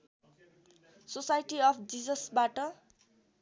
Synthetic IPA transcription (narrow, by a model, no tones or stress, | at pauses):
sosajʈiʌpʰd͡zid͡zʌsbaʈʌ